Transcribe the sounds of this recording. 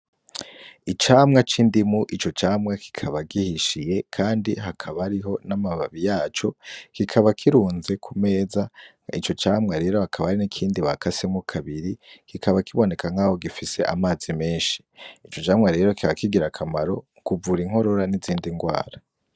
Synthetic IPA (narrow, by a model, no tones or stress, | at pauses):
it͡ʃaːmŋat͡ʃiːndimuʔit͡ʃo̞t͡ʃaːmŋakʰi̥kʰaβaɡihiʃije̞kʰaːndihakʰaβaɾiɦo̞namaβaβijaːt͡ʃo̞kikʰaβakʰiɾuːnze̞kʰume̞ːza | ḭt͡ʃo̞t͡ʃaːmŋaɾe̞ːɾo̞hakʰaβahaɾinikʰiːndiβakʰasemukʰaβiɾikikʰaβakiβo̞ne̞kʰaŋ̥haːho̞ɡifise̞ʔa̰maːzimeːnʃi̥it͡ʃo̞t͡ʃaːmŋaɾe̞ːɾokikaβakiɡiɾakʰamaɾo̞ | kuvuɾiŋ̥ho̞ɾo̞ɾaniziːndiŋɡwa̰ːɾa